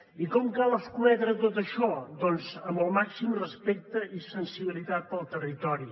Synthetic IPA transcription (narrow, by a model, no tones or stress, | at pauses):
ikɔmkalˠəskuɛðɾət̪ot̪əʃɔd̪ɔnzəmbəlˠmaksimrəspek̚t̪əʔisənsiβilit̪at̪̚pəlˠt̪ərit̪ɔɾi